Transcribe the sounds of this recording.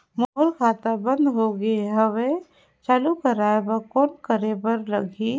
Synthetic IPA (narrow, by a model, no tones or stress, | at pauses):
moɦʊɾkʰaːt̪abə̃nd̪ɦoɡeeɦɐʋe | t͡ʃaːlukəɾaːebakoːnkəɾebəɾlɐɡʱi